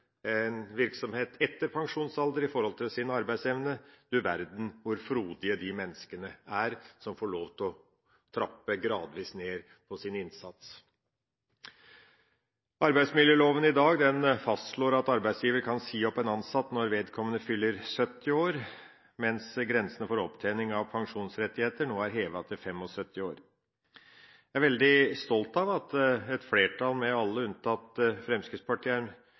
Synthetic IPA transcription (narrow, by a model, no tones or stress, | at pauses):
ɛnʋɪɾksɔmheːt̪ʰɛt̪ːəɾpʰɑŋʂuːnsɑld̪əɾɪfɔɾhɔlt̪ʰɪlsɪnɑɾbæɪd̪sɛʋnəd̪̥ʉʋæɾd̪n̩ʋʊɾfɾuːd̪ɪəd̪ɪmɛnːəskənəæɾsɔmfoːɭoːʋt̪ʰɔ | t̪ʰɾɑpːəɡɾɑːd̪ʋiːsneːɾ | pʰɔsɪnɪnsɑt̪s | ɑɾbæɪd̪smɪljəːloːʋənɪd̪ɑːɡd̪ɛnfɑst̪ʂɭoːɾɑt̪ɑɾbæɪd̪sjiːʋəɾkʰɑnsiːɔpːɛnɑnsɑt̪ːnɔɾʋeːd̪kʰɔmːənəfʏlːəɾsœt̪ːɪoːɾ | mɛnsɡɾɛnsənəfoːɾɔpt̪ʰeːnɪŋɑʋpʰɑŋʂuːnsɾɛt̪ːɪheːt̪əɳoːæɾɦeːʋɑt̪ʰɪlfɛmːɔsœt̪ːɪoːɾ | jææɾʋɛld̪ɪst̪ɔlt̪ɑʋɑt̪ɛt̪fleːʈʰɑlmɛɑlːəʉnt̪ʰɑt̪ːfɾɛmskəspʰɑʈʰiːəɾɳ